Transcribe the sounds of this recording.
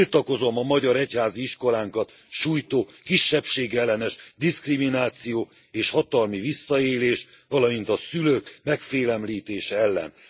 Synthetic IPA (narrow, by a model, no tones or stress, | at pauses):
ilt̪ɒko̞zo̞mɒmɒɟɒɾɛchaːziiʃko̞laːŋkɒt̪ | ʃuːjt̪oːkiʃːɛpʃeːɡɛlːɛnɛʃd̪iskriminaːt̪sijoː | eːʃhɒt̪ɒlmivisːɒeːleːʃ | ʋɒlɒmint̪ɒsyløːkmɛkfeːlɛmliːt̪eːʃɛɛlːɛ̰n